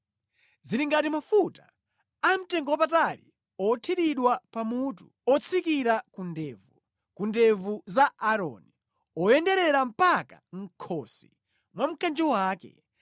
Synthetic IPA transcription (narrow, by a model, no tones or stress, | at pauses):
ziɾiŋɡatimafutḁ | am̩tɛŋɡɔwapataɾḭ | ɔtʰiɗiɗwapamutṵ | ɔt͡sʰikiɾakundɛːvu | kundɛvuzaaɾɔ̰ni | ɔjɛndɛɾɛɾam̩paka̰ŋ̩kʰɔsi | mwam̩kand͡ʒɔwaːkɛ̰